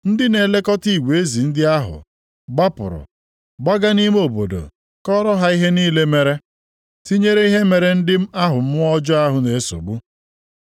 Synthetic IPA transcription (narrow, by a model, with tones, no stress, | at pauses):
n̩˦dɪ˦ne˨le˦kɔ˦ti˦˨ɡʷe˨e˦zi˨n̩˦dɪ˦a˦ɦʊ̰˨ | ɡ͡ba˦pʊ̰˨ɾʊ̰˨ | ɡ͡ba˦ɡa˦ni˦m˦o˨bo̰˨do̰˨ | kɔ˦ɾɔ˦ɦa˦i˦ɦe˦niː˦le˦me˨ɾe˦ | ti˦ɲe˦ɾe˦i˦ɦe˦me˨ɾe˨n̩˦dɪ˦m̩˦a˦ɦʊ˨m̩˦ɔ˦d͡ʒɔ˦a˦ɦʊ˨ne˨e˦so̰˨ɡ͡bu˦